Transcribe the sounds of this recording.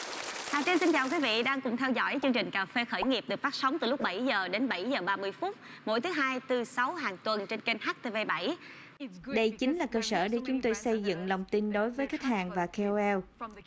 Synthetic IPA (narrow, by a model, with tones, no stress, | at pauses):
t̪aː˨˩t͡ɕi˧nsi˧nt͡ɕaː˨˩wk̬wi˨˦vḭ˧˨ɗaː˧ŋkʊ̰˧˩˨ŋ͡mt̪ʰɛ˧wzɔ̰˧˥jt͡ɕɨ˧əŋt͡ɕï˨˩ŋ̟kaː˨˩fe˧xəː˧˩jŋi˨˩əp̚ɗɨ˨˩ək̚faː˦˥k̚sə˨˦wŋ͡mt̪ɨ˨˩lʊ˦˥k͡p̚ɓa˧˩jzəː˨˩ɗe˨˦nɓə˧˩jzəː˨˩ɓaː˧mɨ˧əjfu˦˥t̚ | mo̰˧˥˩jt̪ʰɨ˨˦ɦaː˧jt̪ɨ˧sa˨˦wɦaː˨˩ŋt̪wə˨˩nt͡ɕe˧nke˧nhaː˦˥k̚t̪e˧ve˧ɓa˧˩j | ɗə˧jt͡ɕï˨˦ŋ̟laː˨˩kəː˧səː˧˩ɗe˧˩t͡ɕʊ˨˦ŋ͡mt̪o˧jsə˧jzɨ̰˧˨ŋlə˨˩wŋ͡mt̪i˧nɗo˨˦jvəː˨˦jka˦˥t̚haː˨˩ŋvaː˨˩ke˧o˧ɛ˧w